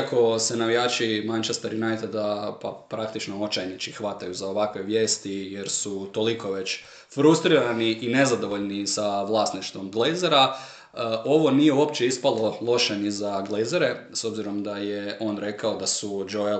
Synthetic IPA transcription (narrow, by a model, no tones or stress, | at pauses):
ako̞senaʋijaːt͡ʃimant͡ʃest̪aɾinajt̪ed̪apa̰pɾakt̪it͡ʃnoot͡ʃajnit͡ʃixʋat̪ajuzao̞ʋakʋe̞ʋje̞ːst̪ijeɾsut̪o̞liko̞ʋe̞t͡ɕ | fɾust̪ɾiɾaniʔine̞zad̪o̞ʋo̞ʎnisaʋlˠaːsniʃt̪ʋo̞mɡlejzeɾa | ʔo̞ʋo̞nijeuopt͡ʃeispalo̞lˠo̞ʃenizaɡlejzeɾe̞so̞bziɾo̞md̪ajeo̞ːnɾe̞kao̞d̪asud͡ʒoja